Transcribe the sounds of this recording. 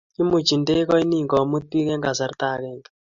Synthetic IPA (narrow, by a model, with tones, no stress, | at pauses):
i˦mu˨t͡ʃi˨nde˦kɔ˦i˦ni˦˨ŋɡɔ˨mu˦t̪̚pi˦kɛ˦ŋɡa˨sa˨rt̪a˦˨kɛ˦˨ŋ